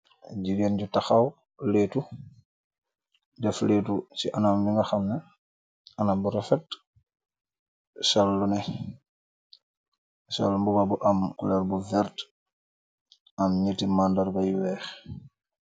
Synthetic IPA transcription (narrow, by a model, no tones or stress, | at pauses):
ɟiɡenɟutaxaw | leːtu | dɛfleːtusiʔanambiŋɡaxɐmnɛ | anambuɾɔfɛt | sɔlːunɛ | sɔ̰lmbubabuʔamkulɛɾbuvɛɾt | ɐmɲətimandaɾbajwɛːx